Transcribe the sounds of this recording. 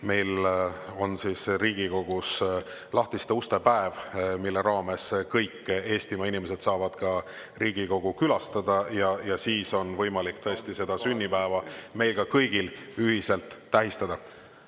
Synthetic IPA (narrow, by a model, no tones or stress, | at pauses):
me̞jlo̞nsiːsriːɡ̥iko̞ɡ̥us | lɑht̪ist̪eust̪epæevmilːe̞ɾɑːme̞skɤjkːe̞ːst̪imɑinimese̞d̪̥sɑːvɑd̪̥kɑ | riːɡ̥iko̞ɡ̥ukylɑst̪ɑd̪ɑjɑjɑsiːso̞nvɤjmɑlikːt̪ɤe̞st̪ise̞d̪̥ɑsynʲːipæevɑme̞jlkɑkɤjɡilyɦise̞lt̪ˑːæɦist̪ɑd̪̥ɑ